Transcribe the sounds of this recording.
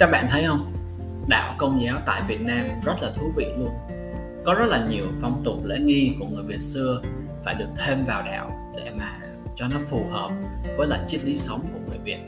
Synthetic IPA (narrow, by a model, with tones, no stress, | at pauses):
kaː˦˥k̚ɓa̰ː˧˨nt̪ʰə˨˦jʔə˧wŋ͡m | ɗa̰ː˧˨wkə˧wŋ͡mzɛː˨˦wt̪a̰ː˧˨jvi˨˩ət̚naː˧mzə˦˥t̚laː˨˩t̪ʰu˨˦vḭ˧˨lu˧ən | kɔ˨˦zə˦˥t̚laː˨˩ɲi˨˩əwfa˧wŋ͡mt̪ʊ˨˩lḛ˧˥ŋi˧ku˧˩əŋɨ˨˩əjvi˨˩ət̚sɨ˧ə | faː˧˩jɗɨ˨˩ək̚t̪ʰe˧mvaː˨˩wɗa̰ː˧˨w | ɗḛ˧˩maː˨˩ | t͡ɕɔ˧nɔ˨˦fu˨˩həː˨˩p̚vəː˨˦jla̰ː˧˨jt͡ɕi˦˥t̚li˨˦sə˨˦wŋ͡mku˧˩əŋɨ˨˩əjvi˨˩ət̚